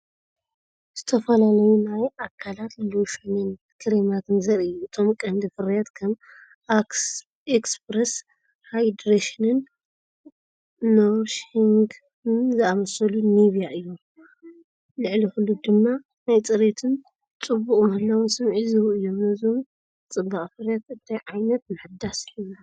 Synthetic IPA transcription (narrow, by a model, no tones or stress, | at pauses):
z̥ɨt̪ʰɐfɐlalɐjunajʔakʰalat̪loʃunɨn | kʰɨɾemat̪ʰɨnzɐɾijuɨt̪ʰo̞mkʼɐnd̪ɨfɨɾjat̪kʰɐm | ekspɾes | hajd̪ɾeʃinɨn | oɾʃhiŋɡ | zɨamɐsɐluniβijaʔɨjːu | lɨʕlixulːud̪ɨmːa | najt͡sʼɨɾet̪ʰɨn | t͡sʼɨbːukʼmɐhɨlawɨnsɐmʕizɨɾuʔɨjːo̞mnɐzom | t͡sʼɨbːaʔʼfɨɾjat̪ɨt̪ʰajʕajnɐt̪̚mɨħd̪ːasɨja